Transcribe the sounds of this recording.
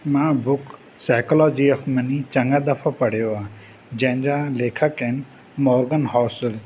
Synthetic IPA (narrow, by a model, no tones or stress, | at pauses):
mãːbʊk | saːkolɔːd͡ʒiɐxmɐnit͡ɕɐŋɡad̪ɐfʰapɐɽ̤ijoaː | d͡ʑɐ̃ɦɪ̃ɲd͡ʑaːleːkʰəkɛn | mɔːɾɡənɦɔːsəl